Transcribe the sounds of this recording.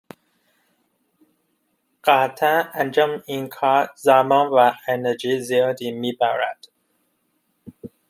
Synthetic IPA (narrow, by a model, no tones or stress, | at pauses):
ɢ̥æːt̪ʰæænd͡ʒɒːmiːnkʰɑːɾzæmɑːnvæened͡ʒiːzijɑːd̪iːmiːbæɾæ̰d̪̥